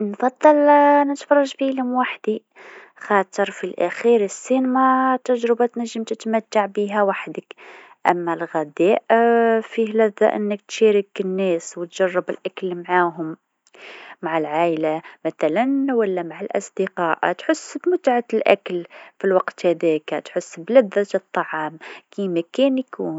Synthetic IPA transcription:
nfɑd̪ˤːɑlnət̪fɑrˤːɑʒbiləmwaħd̪i | xɑt̪əɾˤfilʔæxiɾəsːinmæt̪ːæʒɾbat̪næʒːəmt̪ət̪mæt̪ːaʕbiɦæwaħd̪ək | ʔæ̰mːælɣæd̪æʔfihlæd̪æʔə̰nːək̚t̪ʃæɾəkənːæswət̪ʒ̥ɑrˤːɑbəlʔaklmʕaːɦʊm | maʕalʕaːʔlamæt̪ælænwælːæmaʕalʔɑ̰sˤd̪iqɑːʔt̪ħʊsːbmʊt̪ʕalʔæ̰klfilwɑqt̪hæd̪ækt̪ħʊsːblæd̪ːaɨt̪ˤːɑʕɑːmkimækænjkuːn

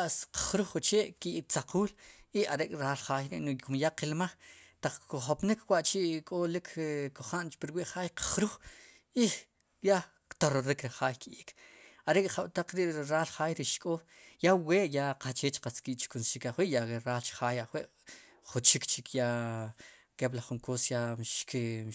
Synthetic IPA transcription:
aʔsqχɾuχːut͡ʃeːʔkiʔikt͡saqʰuːliaɾekʼɾalχaːjɾḭʔnokumjaqilmaχt̪aq͡χkuχopnikʰwaʔt͡ʃiʔkʼolikʰkoχant͡ʃpiɾwiʔχaːjqḁχɾuχ | i | ja | kt̪oɾoɾikɾiχaːjkiʔikʰaɾekʼχawt̪aq͡χɾiʔɾaːlχaːjɾiʔʃkʼoː | jaweːʔjaqat͡ʃeːt͡ʃqat͡skiʔt͡ʃi̥kunsʃikaχwiʔjaeɾaːlt͡ʃi̥χaːjaχwiʔ | χut͡ʃikt͡ʃikja | keblaχːuŋkosjaʃki

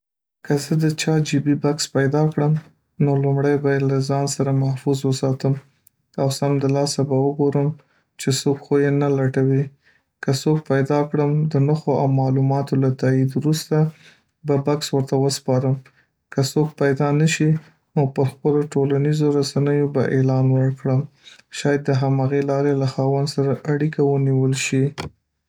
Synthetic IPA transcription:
kəzəd̪ət͡ʃɑd͡ʒibibakspajd̪ɑkɽəm | nolumɽajbajelazɑnsaɾamahfuzwəsɑt̪əm | awsamd̪əlɑsabawəɡoɾəm | t͡ʃesokxojenalaʈawi | kəsok̚pajd̪ɑkɽəmd̪ənəxoawmɑlumɑt̪olat̪aid̪wɾust̪a | babakswəɾt̪awəspɑɾəm | kəsok̚pajd̪ɑnəʃi | nopəɾxpəloʈolanizoɾasanəjobaʔelɑnwəɾkɽəm | ʃɑjad̪ːəɦamaɣelɑɾelaxɑwand̪saɾaʔaɽikawəniwəlʃi

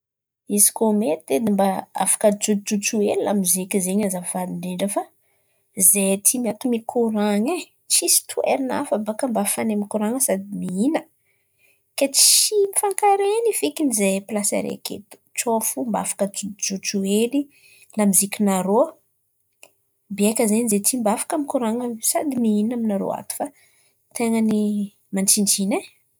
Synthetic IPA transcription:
izi̥komet̪ed̪imbaa̰fḁkəd͡ʒud͡ʒut͡suelilamizikizeɲazavaliɳɖ͡ʐeɳɖ͡ʐəfa | zet̪ʰimiat̪umikʰuɾaŋe | t͡ʃisi̥t̪ʰuḛɾina̰fabakəmbafanemikuɾaŋəsad̪imiinə | ket͡simifaŋkaɾenifikinizeplasa̰ɾḛkḛt̪u̥t͡ʃofumba̰fḁkəd͡ʒut͡ʃueli | lamizikʲunaɾo | biajkʲəzenizet̪imbafḁkamikuɾaŋəsad̪imiinaminaɾo̰a̰t̪u̥fa | t̪eŋəni | manʈ͡ʂind͡ʒine

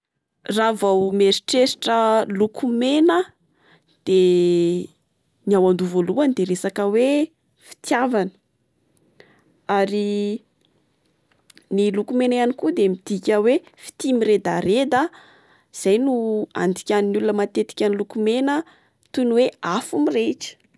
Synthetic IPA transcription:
ravawmeɾi̥ʈ͡ʂeɾiʈ͡ʂəlukumenə | d̪̥e | niawand̪uvoluanid̪eɾesakəwe | fi̥t̪javanə̥ | aɾi | nilukumenjanikud̪emid̪̥ikʲəwefi̥t̪imiɾed̪aɾed̪ə | z̥ajnua̰nd̪i̥kʲaninulunəmat̪et̪i̥kʲanilukumenə | t̪unweafumiret͡ʃə̥

